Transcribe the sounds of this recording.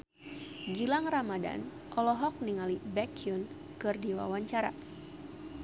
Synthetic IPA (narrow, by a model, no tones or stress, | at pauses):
ɡilaŋramada̰n | ʔɔlɔɦɔk̚niŋalibɛkiun | kɨrdiwa̰waɲt͡ʃaɾa̰